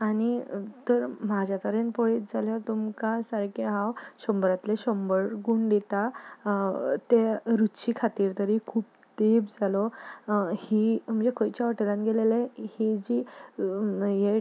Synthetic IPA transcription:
añit̪əɾmad͡ʑʱjat̪əɾenpɔɭit̪d͡zaljat̪umkasaɾkeɦãwɕəmbɾat̪leɕəmbəɾɡuɳɖ̪et̪a | t̪eɾuɕiːkʰat̪iːɾt̪əɾikʰuːp | t̪ebd͡zalɔ | him̤əd͡zekʰojt͡ɕjaəʈelãnɡelelehid͡ʑi | je

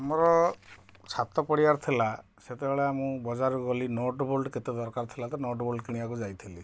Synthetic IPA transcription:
amɔɾɔ | t͡ʃʰat̪ɔpɔɽiaɾt̪ʰila | set̪ebeɭeamũbɔd͡ʒaɾuɡɔlinoʈbolɖket̪ed̪ɔɾkaɾt̪ʰilat̪ɔnoʈbolɖkiɽ̃iakud͡ʒajt̪ʰili

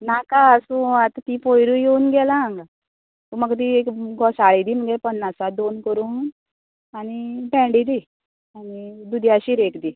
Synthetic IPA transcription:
nakaəsũat̪t̪ipojɾujeunɡɛlaːŋɡa | t̪uməɡd̪iekɡʱɔsaɭid̪iːm̤əɡɛpənːasad̪onkəɾuːn | aɽ̃ibɛ̃ɳɖid̪i | anid̪ud̪ʱjaɕiːɾekd̪iː

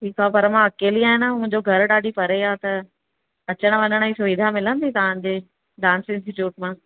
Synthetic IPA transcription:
ʈiːkʰapɐɾmãɐkeːliaːɦɪnamʊ̃ɪ̃ɲd͡ʑoɡʱɐɾɗaːɖʱipɐɾeat̪ɐ | ɐt͡ɕəɽ̃̆ʋɐɲəɽ̃isʊʋid̪ʱamɪlə̃nd̪it̪ɐʋ̤ãd͡ʑeː | ɖãːnsɪ̃nsʈɪʈjuːʈmãː

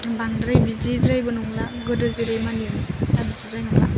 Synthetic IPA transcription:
baŋdɾajbid͡ʒidɾajbɯnuŋlaɡɯdɯziɾɯjmanitabid͡ʒidɾajnuŋla̰

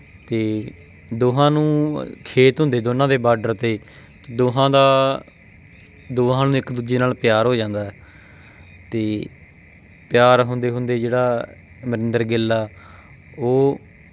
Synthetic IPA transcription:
t̪eː | d̪oːɦãːnũːkʰeːt̪ɦʊ̃nd̪eːd̪oːnãːd̪eːbaːɖəɾt̪eː | t̪ed̪oːɦãːd̪aː | d̪oːɦãːnũːɪkd̪uːd͡ʒeːnaːlpjaːɾɦoːd͡ʒãːnd̪aːɛː | t̪eː | pɪjaːɾɦʊnd̪eːɦʊnd̪eːd͡ʒeːɽaː | məɾɪnd̪əɾɡɪlːaː | oː

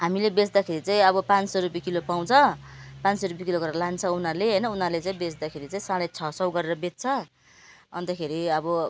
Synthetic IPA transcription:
ɦamilebet͡sd̪akʰeɾit͡saĩʌbʌpãnsʌrupjikilopaw̃t͡sʰʌ | pãnsʌrupjikiloɡʌɾeɾʌlant͡sʰʌunʌrleɦʌjnʌunʌrlet͡saĩbet͡sd̪akʰeɾit͡sãĩsãɽet͡sʰʌsʌwɡʌɾeɾʌbet̪̚t͡sʰʌ | ʌ̰nt̪ʌkʰeɾiʌbʌ

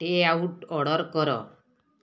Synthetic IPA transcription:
ʈeawʈɔɽɔɾkɔɾɔ̰

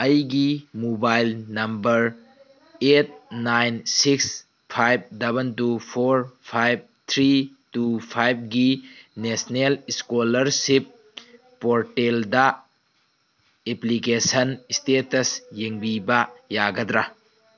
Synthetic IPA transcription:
ɐjɡimubajlnɐmbɐɾ | et̚najnsiks | pʰajb̚dɐbɐntupʰoɾpʰajb̚t̪ʰɾi | tupʰajb̚ɡinesneliskolɐɾsip̚ː | oɾteldɐ | eplikesɐnistetɐsjeŋbibɐjaɡɐdɾa

